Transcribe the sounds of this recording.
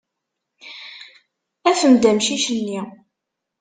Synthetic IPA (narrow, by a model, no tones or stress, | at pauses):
æfəmd̪æmʃiʃənːi